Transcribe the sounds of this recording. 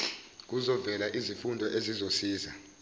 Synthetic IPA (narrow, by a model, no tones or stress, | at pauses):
k̬uzɔvɛlaʔizifundʱɔʔezizosiːza